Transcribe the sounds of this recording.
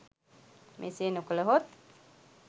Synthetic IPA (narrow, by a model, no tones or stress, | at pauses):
mʔḛseːnukələɦot̪̚